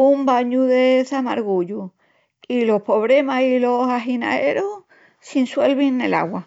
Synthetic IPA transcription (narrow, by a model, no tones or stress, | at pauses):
umbaɲuðeθama̰ɾɣuʎu | ilo̞hpo̞βɾemasilo̞saɦina̰eɾo | sinswe̞lβiŋːe̞̰la̰ɣwa